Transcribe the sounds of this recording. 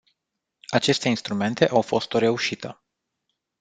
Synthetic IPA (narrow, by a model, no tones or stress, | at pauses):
at͡ʃe̞st̪e̞inst̪ɾume̞nt̪e̞ʔawfo̞st̪o̞ɾe̞uʃit̪ʰə